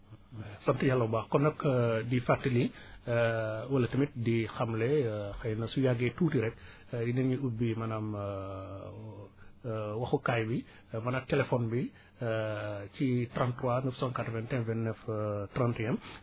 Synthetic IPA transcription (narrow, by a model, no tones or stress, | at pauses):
sɐntijalːɐbaxkɔnɐkdifatːili | wɐlɐtɐmit̚dixɐmlɛxɐjnɐsujaɡɛtuːtiɾɛk | jinɛnɲuʔubːimɐnaːm | wɐxukajbi | mɐnaːtɛlɛfɔnbi | citɾantːwanəfsɔ̃nkatɔvɛntɛnvɛnnɛftrantiɛm